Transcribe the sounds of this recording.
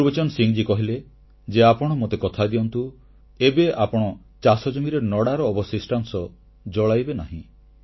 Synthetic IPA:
uɾbet͡ʃɔnɔsiŋd͡ʒikɔɦile | d͡ʒeapɔɽ̃ɔmot̪ekɔt̪ʰad̪iɔnt̪u | ebeapɔɽ̃ɔ | t͡ʃasɔd͡ʒɔmiɾenɔɽaɾɔːbɔsisʈansɔ | d͡ʒɔɭajbenaɦḭ̃

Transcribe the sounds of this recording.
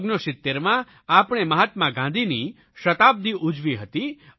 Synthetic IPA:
ɡnoʃɪt̪ːeɾmã | apɳ̃eməɦət̪mãɡãnd̪ʱini | ʃət̪ab̚d̪iʔud͡ʒʋiɦət̪i

